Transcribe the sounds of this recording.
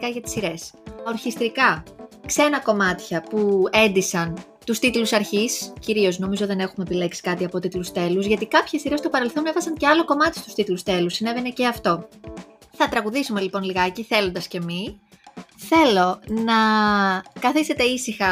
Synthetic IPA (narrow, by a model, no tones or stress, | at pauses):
kɐʝɐt̪i̥siɾe̞so̞ɾçist̪ɾikɐksenɐko̞mɐt̪çɐpue̞nd̪isɐn | t̪ust̪it̪lusɐɾçisciɾio̞zno̞mizo̞ðe̞ne̞xumeepile̞ksi̥kɐt̪iɐpo̞t̪it̪lust̪e̞luzʝɐt̪ikɐpçe̞siɾe̞st̪opɐɾe̞lθo̞ne̞vɐsɐnce̞ɐlo̞ko̞mɐt̪i̥st̪u̥st̪it̪lust̪e̞lusːine̞ve̞ne̞ceɐft̪o̞ | θɐt̪ɾɐɣuðisume̞lipo̞nliɣɐeciθe̞lo̞nd̪ɐsce̞mi | θe̞lo̞nɐ | kɐθist̪e̞t̪e̞isixɐ